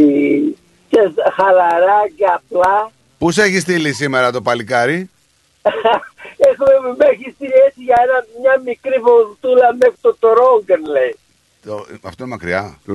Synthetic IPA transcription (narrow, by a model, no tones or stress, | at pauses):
cesxɐlɐɾɐceaplɐ | puse̞çist̪ilisime̞ɾɐt̪o̞pɐlikɐɾi | exumemeçist̪iesiʝɐenɐmɲɐmikɾipoɣt̪ulɐmext̪ot̪oɾoŋɡenlei | t̪oɐft̪oinmɐkɾiɐ